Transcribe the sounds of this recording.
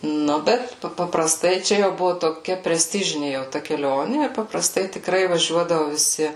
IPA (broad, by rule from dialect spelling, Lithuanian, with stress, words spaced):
ˈnʊ ˈbʲɛt pɐ pɐprɐˈstɐɪ ˈt͡ʃʲɛ jɛʊ ˈbʊʋʊ toːˈkʲɛ pʲrʲɛˈsʲtʲɪʒʲɪnʲɪ jɛʊ ˈtɐ kʲɛˈlʲoːnʲɪ ɪr pɐprɐˈstɐɪ tʲɪkˈrɐɪ ʋɐˈʒʲuɔdɐʋʊ ʋʲɪˈsʲɪ